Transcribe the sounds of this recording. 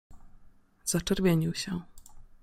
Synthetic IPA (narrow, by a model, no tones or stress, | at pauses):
z̥at͡ʂɛɾvʲjeɲiwɕɛ